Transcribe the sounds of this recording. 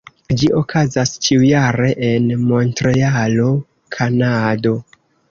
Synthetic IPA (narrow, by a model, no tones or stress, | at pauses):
d͡ʒiʔo̞kʰazast͡ʃiujaɾe̞ʔenmo̞ntɾealo̞ | kʰanado̞